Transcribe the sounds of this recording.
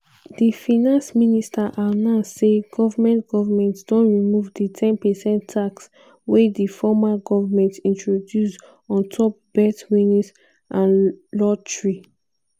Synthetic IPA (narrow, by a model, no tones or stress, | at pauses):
difinãnsministʰaʔanãseɡɔvamɛ̃ntɡ̥ɔvamɛ̃ntdɔ̃nɹimuvditʰɛ̃npɛsɛ̃ntʰːaks | wɛdifɔmaɡɔvamɛ̃ntĩntɹodjus | ɔ̃ntʰɔp̚b̥ɛtwĩnĩs | ʔãnlɔtɹi